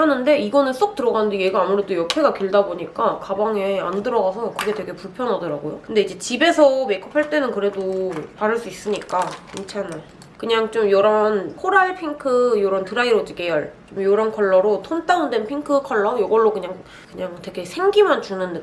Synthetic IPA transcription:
hanɯnde̞iɡʌnɯns͈ok̚t͈ɯɾʌɡanɯndejeɡaːmuɾe̞dojʌkʰe̞ɡakɥiɭdaboɲik͈akabaŋe̞andɯɾʌɡasʰʌkɯɡe̞twe̞ɡe̞puɭpʰjʌnɦadʌɾaɡojokɯnde̞id͡ʑe̞t͡ɕibe̞sʰʌme̞kʰɯ̥pʰaɭt͈e̞nɯnkɯɾe̞dopaɾɯɭs͈uis͈ɯɲik͈aint͡ɕʰana | kɯɲaŋt͡ɕomjoɾʌnkʰoɾaɭpʰiŋkʰɯjoɾʌntɯɾaiɾod͡ʑiɡe̞jʌɭt͡ɕomjoɾʌnkʰʌɭːʌɾotʰont͈aɯndwenpʰiŋkʰɯkʰʌɭːʌjʌɡʌɭːokɯɲaŋ | kɯɲaŋtwe̞ɡe̞sʰe̞ŋɡimant͡ɕunɯnde

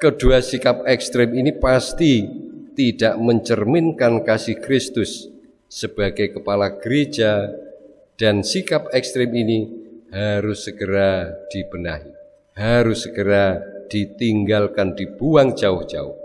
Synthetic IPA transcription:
kəduasikap̚ɛkst̪ɾɪminipast̪it̪idaʔməɲt͡ʃərmɪnkankasɪhkɾɪst̪ʊsː | əb̥aɡajkəpalaɡ̥əɾed͡ʒa | d̥ansikap̚ɛkst̪ɾɪminihaɾʊsːəɡəɾad̥ib̥ənaɦi | haɾʊsːəɡəɾad̥it̪iŋɡalkandib̥uaŋd͡ʒaʊhd͡ʒaʊ̰h

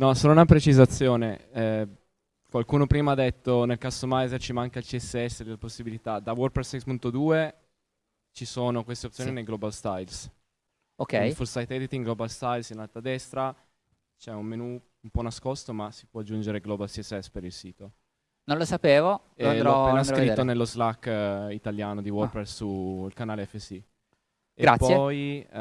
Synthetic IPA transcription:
nɔsoːnounapɾet͡ʃizat̪sːjoːne | kwalkuːnopɾiːmaad̪et̪ːonelkasomajzert͡ʃimaŋkailt͡ʃiɛsːeɛsːed̪elaposːibilit̪ad̪awɔrpɾesɛsmunt̪od̪uːe | t͡ʃisoːnokwest̪eop̪̚sjoːninelɡlobalst̪ajls | okːɛjfulsajt̪ɛd̪it̪iŋɡlobalst̪ajlsinalt̪ad̪ɛst̪ɾa | t͡ʃɛummenu | umpɔnaskost̪omasi̥pwɔad͡ʒːund͡ʒeɾeɡlobalsiɛsːɛspeɾilsiːt̪o | nõnlosapeːvo | elɾɔeːnaskɾionelːozlakːit̪aljaːnod̪iwɔrpɾɛssuilkanaːleɛfːesi | eɡɾaapːsːej

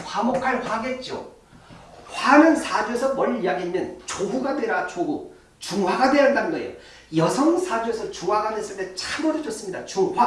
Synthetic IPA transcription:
ɸamokʰaɭɸwaɡe̞t̚t͡ɕ͈o̰ | ɸwanɯnsʰad͡ʑoe̞sʰʌmʌʎjaɡemjʌnt͡ɕoɸuɡadwe̞ɾat͡ɕoɡu | t͡ɕuŋwaɡadwe̞jandandʌjo̰ | jʌsʰʌŋsʰad͡ʑoe̞sʰʌt͡ɕuŋɦwaɡades͈ɯɭt͈e̞t͡ɕʰamodɯd͡ʑʌs͈ɯmɲida̰t͡ɕuŋɸa

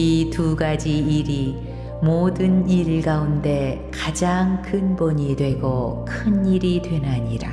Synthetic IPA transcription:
ituɡad͡ʑiiɾi | modɯniɭɡaunde̞kad͡ʑaŋkʰɯnboɲidwe̞ɡokʰɯniɾidwe̞nɦaɲiɾa̰

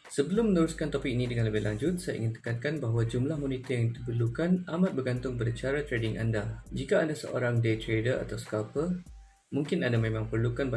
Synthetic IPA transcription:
səbəlʊmːənəɾuskant̪ɔpɪk̚inidəŋanləbɪɦlaɲd͡ʒʊt̪̚saja̰ʔḭŋɪnt̪ə̥kankanbaɦwad͡ʒumlahmonit̪ajaŋit̪upərlukanʔamãt̪̚bərɡant̪ʊŋbəɾat͡ʃaɾat̪ɾedɪŋʔa̰ndad͡ʒikaːdasə̰ʔo̰ɾaŋdet̪ɾedəra̰t̪awsə̥kapə | mũŋkɪnadamẽmãŋpərlukanba

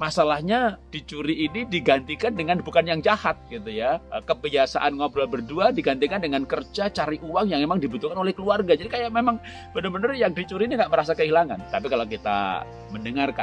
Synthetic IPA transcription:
masalahɲad̥it͡ʃuɾiːnidiɡant̪ikandəŋanbukanjaŋd͡ʒahat̪̚ɡit̪ujaəkəbiasa̰ʔanŋablabərduadiɡant̪ikandəŋankərd͡ʒat͡ʃaɾiʔuwaŋjaŋmemaŋdibut̪ukanolɛhkəluarɡad͡ʒadikajaʔmemaŋ | b̥ənərbənərjaŋdit͡ʃuɾiːniŋɡaʔməɾasakəilaŋa̰nt̪apikalokit̪a̰ | məndəŋarka

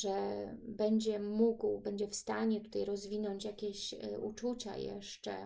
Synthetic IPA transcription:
ʐɛbɛɲd͡ʑɛmuɡwbɛɲd͡ʑɛfst̪aɲɛt̪u̥t̪ajɾɔzvʲinɔɲt͡ɕjakʲeɕṵt͡ʂut͡ɕa̰jɛ̰ʂt͡ʂɛ̰

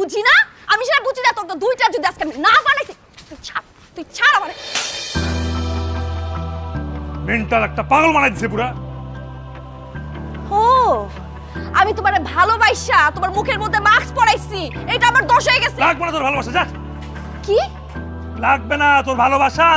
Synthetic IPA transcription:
bud͡ʑʱina | amiʃeʈabud͡ʑʱinat̪oɾt̪od̪ujʈad͡ʑod̪ʱiaskeaminapanajt̪ʰ | t̪uit͡ɕʰa | t̪umit͡ɕʰaɽamaɾe | meɳʈalɛk̚ʈapaŋolmanajd̪it͡ɕʰepuɾa | ho | amit̪omaɾebʱalobajʃat̪omaɾmukʰeɾmod̪ʱːemakspɔɽajt͡ɕʰiejʈaamaɾd̪ɔʃoeɡɛt͡ɕʰelaɡ̚benat̪oɾbʱalobaʃad͡ʑa | ki | laɡ̚benat̪oɾbʱalobʱaʃa

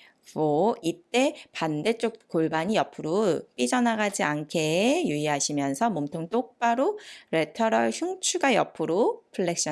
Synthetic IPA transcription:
oit͈e̞pande̞t͡ɕ͈ok̚koɭbaɲijʌpʰɯɾop͈id͡ʑʌnaɡad͡ʑiankʰe̞juiɦaɕʰimjʌnsʰʌmomtʰoŋt͈ok̚p͈aɾoɾe̞tʰʌɾʌɭçuŋt͡ɕʰuɡajʌ̰pʰɯɾopʰɯɭːek̚ɕ͈ʌ

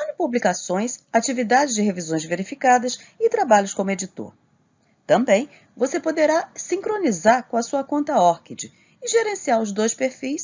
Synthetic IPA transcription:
ɐ̃nɪpublikasõj̃sat͡ʃivid̪ad͡ʒɪzd͡ʒɪɦevizõj̃zveɾifikad̪ɐsɪt̪ɾabaʎʊskõmʊed͡ʒit̪o̰ɾ | t̪ɐ̃mbẽj̃ | vosepod̪eɾasĩkɾõnizaɾkõɐsuɐkõnt̪ɐɔɾkid͡ʒɪ | ɪʒeɾẽsiaɾʊzd̪ojspeɾfijs

